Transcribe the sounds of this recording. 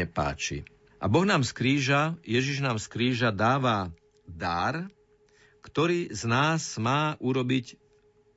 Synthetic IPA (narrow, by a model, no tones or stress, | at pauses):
ɛpa̰ːt͡ʃḭ | ʔa̰bɔɣnaːmskɾiːʒajɛʒiʒnaːmskɾiːʒad̪aːʋa | d̪aɾ | kt̪ɔɾiːznaːzmaːʔuɾɔbic